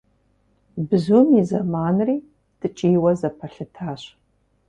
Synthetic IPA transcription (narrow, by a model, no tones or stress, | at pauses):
bɨzumizɐmaːnriː | d̥ɨt͡ʃʼiːwɐzɐpʰɐɬɨtʰaːɕ